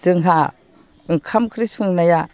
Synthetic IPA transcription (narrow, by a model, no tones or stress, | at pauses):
zɯŋɦa | ɯŋkʰamkʰɾisuŋnaja